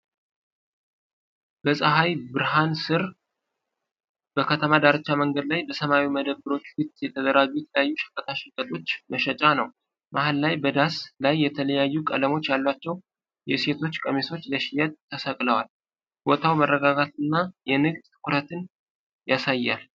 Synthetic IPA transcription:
bəsʼəɦajbɨɾɦansɨɾ | b̥əkʰət̪ʰəmad̪aɾət͡ʃːaməŋɡəd̪lajbəsəmawiməd̪əbːɨɾo̞t͡ʃːwʊt̪ʼjɛt̪ʰəd̪əɾaɡujɛt̪ʰləjajːuʃə̥kʼːət̪ʰaʃɪkʼət̪ʼo̞t͡ʃːməʃɛt͡ʃʼanəw | mʔahalːajbəd̪aslajːɛt̪ʰələjajːukʼə̰ləmo̞t͡ʃːjalːat͡ʃːɛw | jɛse̞t̪ʰo̞t͡ʃːkʼəmeso̞t͡ʃːləʃɪjat̪ʼt̪ʰːəsəkʼləwal | wot̪ʰawmərːəɡaɡat̪ɨnːajɛnɨɡd̪t̪ɨ̥kʰʊɾət̪ʰɨn | jasajːal

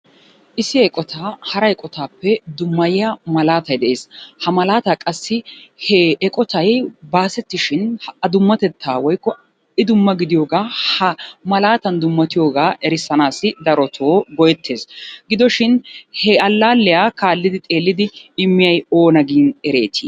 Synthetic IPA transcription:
ʔɪsɪɛkʼɔt̪ʰaːhɐɾɐjkʼɔt̪aːpːɛd̪ʊmːɐjɪjamɐlaːt̪ɐjd̪ɛʔe̞ːshɐmɐlaːt̪aːkʼɐsːɪhɛɛkʼɔt̪ɐjbaːsɛt̪ːɪʃɪnɐd̪ʊmːɐt̪ɛt̪ːaːwɔjkːɔ | ɪd̪ʊmːɐɡɪd̪ɪjo̞ːɡaːhɐmɐlaːt̪ɐnd̪ʊmːɐt̪ɪjo̞ːɡaːʔɛɾɪsːɐnaːsɪd̪ɐɾɔt̪ʰoːɡɔjɛt̪ʰːe̞ːsɡɪd̪ɔʃɪnhɛɐlːaːlːɪjaːkaːlːɪd̪ɪt̪ʼe̞ːlːɪd̪ɪɪmːɪjɐjoːnɐɡiːnɛɾe̞ːt̪ʰḭː

